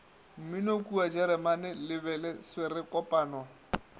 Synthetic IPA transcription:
m̩minokʼuad͡ʒɛɾɛmanɛlɪbɛlɛswerɪkʼɔpʼaːnɔ

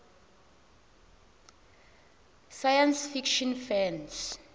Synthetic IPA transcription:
sajansfikʃɔnfɛns

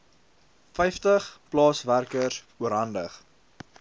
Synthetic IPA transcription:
fɛjftəχplɑːsværkərs | uəɾɦɐndəχ

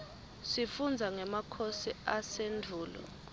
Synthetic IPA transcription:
sifund͡zʱaŋɛmakʰosiasendʱuːlɔ̰

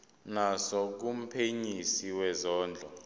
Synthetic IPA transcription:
nasɔk̬um̩pʰeɲisiwɛzɔːnd͡ɮʱɔ

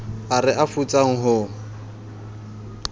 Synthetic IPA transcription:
arɪʔafut͡sʼaŋ̩ɦʊ

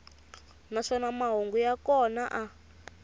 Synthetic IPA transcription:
naʂɔnamaɦoŋɡujakɔnaʔa

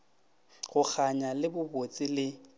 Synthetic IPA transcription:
ɣʊk͡xʰaɲalɪbʊbot͡sʼɪlɪ

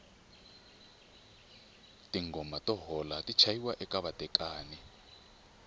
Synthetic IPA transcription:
tiŋɡɔmatʼɔɦɔlatit͡ʃʰajiwaʔɛkʼaβatʼɛkʼaːnɛ

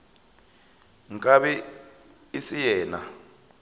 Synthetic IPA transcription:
ŋkʼaβɛ | isijɛːna

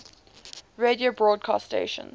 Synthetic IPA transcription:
ɹediobɹɔːd̚kʰɑ̰sttḛɪʃə̰̃n

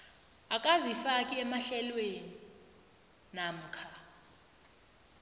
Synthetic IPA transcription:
akʼazifakʼiɛmaɬɛlweni | nam̩kʰa

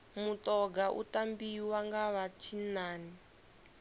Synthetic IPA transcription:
mutɔɡaʔṵtambiwaŋɡaβat͡ʃʰinaːni

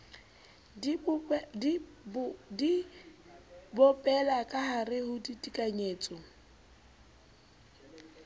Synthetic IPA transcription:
di | bɔpʼɛlakʼaharɪhʊditʼikʼaɲeːt͡sʼɔ

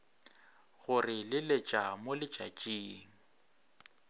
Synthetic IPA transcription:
ɣʊrɪlɪlet͡ʃʼamʊlɪt͡ʃʼat͡ʃʼiːŋ̩

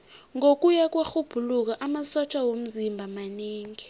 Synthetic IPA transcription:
ŋok̬ʼujak̬ʼwaxub̥ʱuluk̬aʔamasɔt͡ʃʼawom̩zimbʱamaneːŋi

